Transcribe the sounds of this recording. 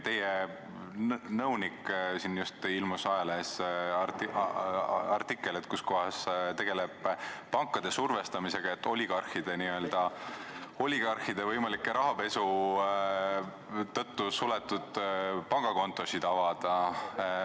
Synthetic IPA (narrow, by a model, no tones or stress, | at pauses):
t̪e̞je | nɤwniksinjust̪ilmusɑjɑlest̪i | ɑrt̪ikˑːe̞lit̪̚kusko̞ɦɑst̪e̞ɡ̥e̞leb̥ːɑŋkˑːɑd̪̥e̞surve̞st̪ɑmise̞ɡ̥ɑet̪ːo̞lʲiɡ̥ɑrhid̪̥e̞niø̞ld̪̥ɑ | o̞lʲːiɡ̥ɑrhid̪̥e̞vɤjmɑlikːˑeɾʔɑɦɑpe̞su | t̪ːɤt̪ːusulet̪ːˑud̪̥pɑŋɡ̥ɑko̞nt̪ːˑo̞sid̪̥ɑvɑd̪̥ɑ